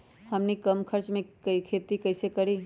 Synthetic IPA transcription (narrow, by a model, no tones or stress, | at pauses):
həmnikəmkʰəɾt͡ʃmẽkəikʰet̪ikɐɪsekəɾi